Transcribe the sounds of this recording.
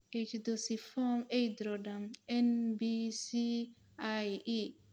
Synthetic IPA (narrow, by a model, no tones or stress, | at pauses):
et͡ʃdosifɔmejdɾɔdamɛnbisi | aji